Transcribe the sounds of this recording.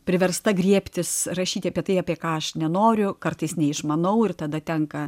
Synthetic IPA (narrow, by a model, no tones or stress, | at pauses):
pʲɾʲɪʋʲɛrst̪ɐɡɾʲiɛpʲt̪ʲɪsɾɐʃʲiːt̪ʲɪɐːpʲiɛt̪ɐɪɑːpʲiɛkɑːɐʃnʲɛnoːɾʲʊkɐrt̪ɐɪsnʲɛɪʃmɐnɐʊɪrt̪ɐd̪ɐt̪ʲɛŋkɐ